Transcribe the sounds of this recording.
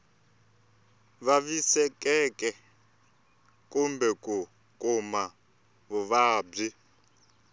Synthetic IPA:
βaβisɛkʼɛkʼɛ | kʼumbɛkʼu | kʼuma | βuβaːb͡ʐi

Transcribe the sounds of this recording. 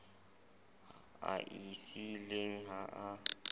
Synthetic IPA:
a̰ʔisileŋ̩ɦaʔa

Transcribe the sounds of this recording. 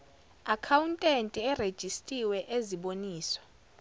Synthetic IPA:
akʰawuntʼentʼiɛred̥ʒ̥ʱistʼiwɛʔeziɓoniːswḁ

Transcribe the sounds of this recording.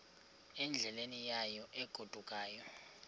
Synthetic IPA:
ɛnd͡ɮʱɛlenijajɔʔɛɡ̥ʱud̥ʱukʼaːjɔ

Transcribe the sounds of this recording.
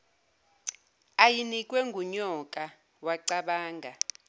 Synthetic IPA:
ajinikʼwɛŋɡʱuɲɔkʼa | waǀaɓaːŋɡʱa

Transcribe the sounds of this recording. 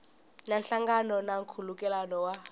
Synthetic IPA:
nanɬaŋɡanɔnaŋkʰulukʼɛlanɔwa

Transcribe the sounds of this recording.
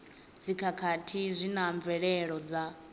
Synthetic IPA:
d͡zikʰakʰatʰizʷinaɱvɛɺɛɺɔd͡za

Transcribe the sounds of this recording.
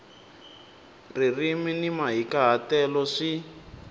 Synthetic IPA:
ririminimaɦikaɦatɛlɔʂi

